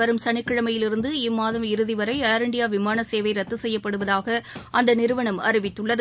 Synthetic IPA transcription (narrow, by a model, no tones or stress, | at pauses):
ɐɾɯmsɐɳɪkːɪɻɐmɐjɪlɪɾɯnd̪ɯɪmːaːðɐmɪɾɯðɪʋɐɾɐɪaːɾɪɳɖɪjaːʋɪmaːnɐseːʋɐɪɾɐt̪ːɯsɛjːɐpːɐɽɯʋɐðaːɣɐʔɐnd̪ɐnɪɾɯʋɐɳɐmɐ̰ɾɪʋɪt̪ːɯɭːɐð